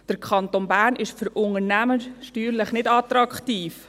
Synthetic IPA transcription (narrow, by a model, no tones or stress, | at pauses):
d̥əɾkʰɑnt̪onbæːɾnɪʃfʏɾʊŋəɾnæməʃtyːɾləχnɪdɑt̪ɾɑkχtiːf